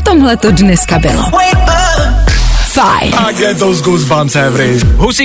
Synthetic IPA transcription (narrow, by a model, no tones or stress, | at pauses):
t̪ɔmɦlɛt̪ɔd̪nɛskabɪ̰lɔ̰wɛɪt̚ba | fa̰ɪnaɡɛt̪̚oʊzɡuzbãntɛvɾiɦusi